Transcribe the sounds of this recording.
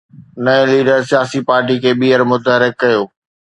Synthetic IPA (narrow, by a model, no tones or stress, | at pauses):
nɐẽliːɖəɾsijaːsipaːɾʈikʰeːɓiːəɾmʊt̪əɦɾɪkːɐjoː